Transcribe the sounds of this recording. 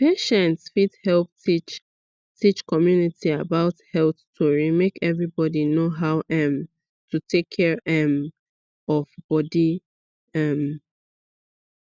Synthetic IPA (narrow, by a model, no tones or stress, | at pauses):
peʃɛ̃ntsfidhɛlp̚tit͡ʃ | tʰit͡ʃkɔmjunitʰiabaʊthɛlθtʰɔɹimekɛvɹibɔdinoɦaʊʔɛ̃m | tutʰekʰːɛɹʔɛm | ɔvb̥ɔdi | ɛm